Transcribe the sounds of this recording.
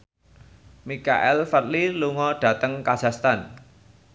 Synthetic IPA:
mika̰ʔɛlfət̪̚liluŋɔɖ̥ä̤t̪əŋkḁʒ̥a̤st̪an

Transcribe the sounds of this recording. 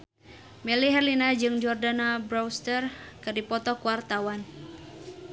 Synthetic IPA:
mɛliɦɛrlinad͡ʒɨŋd͡ʒɔrdanabɾawst̪ərkɨrdipɔt̪ɔkuwart̪awan

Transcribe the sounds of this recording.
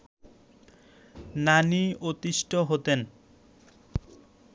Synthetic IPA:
naniot̪iʃʈʰoɦot̪en

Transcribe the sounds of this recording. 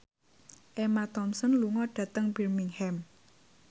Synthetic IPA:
ʔemat̪ɔmsɔnluŋɔɖ̥ä̤t̪əŋbirmiŋhɛm

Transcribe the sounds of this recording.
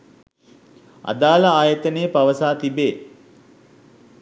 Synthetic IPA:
a̰d̪aːləaːjət̪ənejəpaʋəsaːt̪ibeː

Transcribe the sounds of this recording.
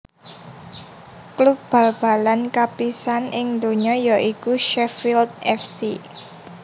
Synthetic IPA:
kluk̚b̥ä̤lb̥a̤lankapisanɪŋd̪oɲɔjɔʔikuʃɛfild̪̚ɛfsi

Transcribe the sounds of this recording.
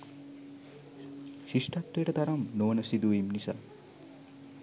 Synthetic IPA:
ʃiʂʈat̪ːejəʈət̪aɾamnoʋənəsid̪uʋimnisa̰ː

